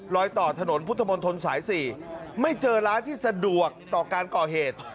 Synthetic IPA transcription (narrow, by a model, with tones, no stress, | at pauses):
ɾɔː˧jt̪ɔː˨˩t̪ʰa˧no˩˦npʰu˦˥t̪ʰːa˧mo˧nt̪ʰo˧nsaː˩˦jsiː˨˩ma˥˩jt͡ɕɤː˧ɾaː˦˥nt̪ʰiː˥˩sa˧du˨˩ək̚t̪ɔː˨˩kaː˧nkɔː˨˩ɦeː˨˩t̪̚